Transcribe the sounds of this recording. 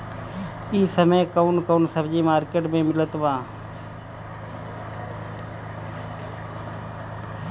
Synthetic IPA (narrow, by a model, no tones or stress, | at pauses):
iːsəmeːkəunkəunsəbd͡ʒiːmaːɾkeːʈmẽːmɪlət̪ʋãː